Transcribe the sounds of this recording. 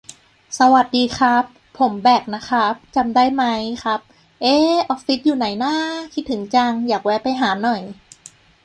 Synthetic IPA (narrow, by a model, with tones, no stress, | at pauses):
sa˧wa˨˩t̪̚diː˧xʰɾa˦˥pʰːo˩˦mbɛː˨˩k̚na˦˥kʰa˦˥p̚t͡ɕa˧mdaː˥˩jma˦˥jkʰa˦˥p̚ | ʔeː˦˥ʔɔː˦˥k̚fi˦˥t̪̚juː˨˩na˩˦jnaː˥˩kʰi˦˥t̪ʰːɯ˩˦ŋt͡ɕa˧ŋjaː˨˩k̚wɛː˦˥pa˧jɦaː˩˦nɔ˨˩j